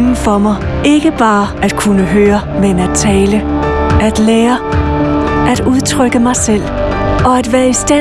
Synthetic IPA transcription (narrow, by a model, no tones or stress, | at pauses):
ŋn̩fɒ̽mɑ̈ɪ | e̝ɡ̥əb̥ɑ̈ːʔæd̥kʰunəɦøːɐ | menæd̥̚t͡sʰɛːləæd̥leːɐ | ʔæd̥uðˠt͡sʰʁœɡ̥əmɑ̈ɪsel̰ | ɒ̽æd̥ʋæːɐisd̥æ